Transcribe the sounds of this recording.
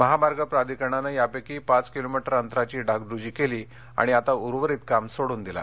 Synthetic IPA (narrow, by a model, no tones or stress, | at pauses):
məɦamaɾɡəpɾad̪ikəɳ̃anajapekiːpat͡skilomiʈəɾənt̪ɾat͡ɕiːɖʱakɖɾud͡ʑiːkeliː | a̰ɽ̃iat̪auɾʋəɾiːt̪kamsoɽuːnd̪ila̰